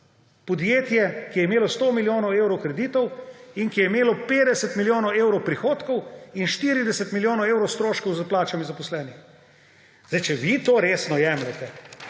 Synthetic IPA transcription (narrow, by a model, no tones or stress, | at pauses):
pɔd̪jeːt̪jɛkijɛimeːlɔst̪oːmiljoːnɔweːwɾɔwkɾɛd̪iːt̪ɔwiŋkijɛimeːlɔpeːd̪ɛsɛt̪miljoːnɔweːwɾɔwpɾixoːt̪kɔwinʃt̪iɾid̪ɛsɛt̪miljoːnɔweːwɾɔwst̪ɾoːʃkɔwzaplaːt͡ʃamizapɔslɛːnix | zdajt͡ʃɛʋit̪oːɾeːsnɔjɛːmlɛt̪ɛ